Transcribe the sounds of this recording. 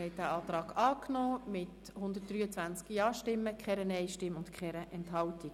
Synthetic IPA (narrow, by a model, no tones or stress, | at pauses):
ɛɪd̥æɑːt̪rɑːɡɑːknoːmɪt | hʊnd̪ət̚d̥̪ryːət͡sʋænt͡skijɑːʃtɪmːəkχɛɾənɛɪʃtɪmʊntkχɛɾəʔɛnthɑltiɡ